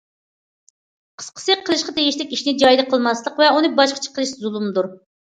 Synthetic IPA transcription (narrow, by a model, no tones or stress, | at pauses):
qʰə̥sqʰə̥sɨqʰəlˠɪʃqɑt̪ʰeɡiʃlɪkʲiʃnɪd͡ʒɑjd̪ɨqʰəlˠmɑslˠəqvɛunɨbɑʃqʰə̥t͡ʃʰə̥qʰəlˠɨʃzulˠumd̪uɾ